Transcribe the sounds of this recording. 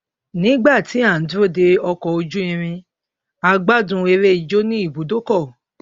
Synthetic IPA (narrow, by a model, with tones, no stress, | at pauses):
nĩ˨˦ɡ͡ba˦˨ti˨˦a˦˨˦du˦o˦˨de˧ɔ˧kɔ˨o˧d͡ʒu˦ĩ˧ɾ̃ĩ˧ | a˧ɡ͡ba˦dũ˧e˧ɾe˦i˨d͡ʒo˦nĩ˦i˦˨bu˨˦do˦kɔ˦˨